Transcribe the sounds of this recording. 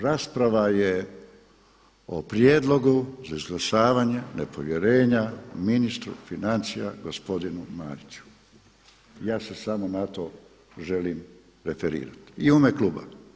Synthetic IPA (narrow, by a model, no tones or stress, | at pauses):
ɾaspɾaʋaje | opɾjed̪lo̞ɡuzaizɡlˠaʃaːʋaɲe̞nepo̞ʋje̞ɾe̞ːɲaminist̪ɾṵfinant̪sija̰ɡospo̞d̪inumaːɾit͡ʃu̥ | jaːsesamo̞nat̪o̞ | ʒe̞liːm | ɾefeɾḭːɾa̰t̪iumekluːba̰